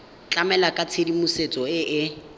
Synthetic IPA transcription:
t͡ɬʼamɛlakʼat͡sʰedimuset͡sʼɔɪʔɪ

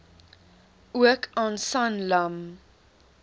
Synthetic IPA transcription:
uəkʰɑːnsɐnlɐm

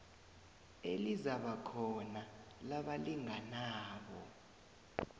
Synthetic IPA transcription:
ḛlizaɓakʰɔnalaɓaliŋanaːɓɔ

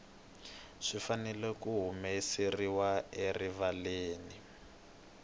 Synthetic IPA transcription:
ʂifanɛlɛkuɦumesiriwaerivaleːni

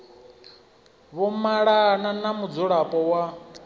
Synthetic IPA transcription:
βɔmaɺananamud͡zɔɺapʼɔwa

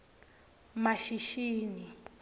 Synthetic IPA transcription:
maʃiʃiːni

